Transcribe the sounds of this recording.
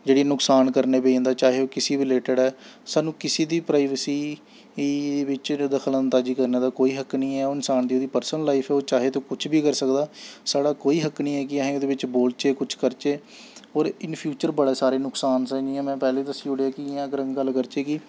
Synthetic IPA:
d͡ʒeːɽiːnʊksaːnkəɾneːbẽːnd̪aːt͡ʃaːɦeːoːkɪsiːbɪleːʈəɖɛːsaːnũːkɪsiːd̪iːpɾaːɪʋsiː | ʋɪt͡ʃd̪əkʰələ̃nt̪aːd͡ʒiːkəɾneːd̪aːkoːiːɦəkniːɛːoːɪnsaːnd̪iːoːd̪iːpəɾsənəlːaːɪpʰɛːoːt͡ʃaːɦeːt̪õːkʊt͡ʃʰbiːkəɾsəkd̪aːsaːɽaːkoːiːɦəknĩːɛːk̬ɪãɦẽːoːd̪eːʋɪt͡ʃboːlt͡ʃeːkʊt͡ʃʰkəɾt͡ʃeː | ɔːɾɪnpʰjuːt͡ʃəɾbəɽaːsaːɾeːnʊksaːnsɛ̃ːiːãːmɛ̃ːpɛːleːd̪əsːiːʊɽeaːkɪɪãːɡəɾəŋɡɡəlːkəɾt͡ʃeːkɪ

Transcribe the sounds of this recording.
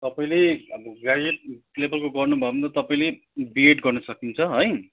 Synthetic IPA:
t̪ʌpaĩleɡad͡zeʈ̚lebʌlkoɡʌrnubʱʌebʌnt̪ʌt̪ʌpaĩle | bieʈɡʌrnʌsʌkint͡sʰʌɦʌj

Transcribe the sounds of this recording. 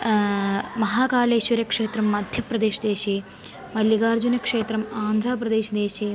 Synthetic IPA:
mɐɦaːkaːleːʃʋɐɾɐkʂeːt̪ɾɐmːɐd̪ʱjɐpɾɐd̪eːʃɐd̪eːʃeː | mɐljɐɡaːɾd͡ʒunɐkʂeːt̪ɾɐmaːnd̪ʱɾaːpɾɐd̪eːʃɐd̪eːʃeː

